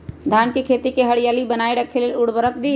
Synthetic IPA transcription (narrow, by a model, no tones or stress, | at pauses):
d̪ʱaːnkikʰeːt̪ikeɦɐɽɪjaːlibənaːeɽɐkʰeleʊɽbəɾəkd̪iː